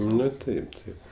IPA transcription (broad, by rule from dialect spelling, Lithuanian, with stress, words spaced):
ˈnʊ ˈtɐɪp ˈtɐɪp